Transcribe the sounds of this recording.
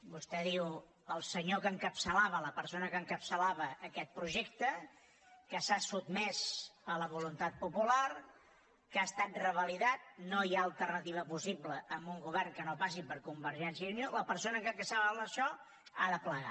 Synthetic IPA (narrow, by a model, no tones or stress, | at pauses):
bust̪ɛðiw | əlˠsəɲokəŋkəpsəlaβələpəɾsonəkəŋkəpsəlaβəʔːkɛt̪̚pɾuʒek̚t̪ə | kəsasud̪̚mɛsələβulunt̪at̪̚pupular | kast̪at̪̚rəβəliðat̪̚nojaəlˠt̪ərnət̪iβ̞əpusibləəmbuŋɡuβ̞ɛrŋkənopasipəɾkumbəɾʒɛnsjəunioləpəɾsonəkəkəsaβələʃɔ | a̰ðəpləɣa̰